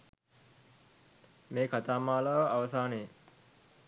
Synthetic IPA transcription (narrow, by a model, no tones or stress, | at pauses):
meːkʰat̪aːmaːlaːʋəaʋəsaːnej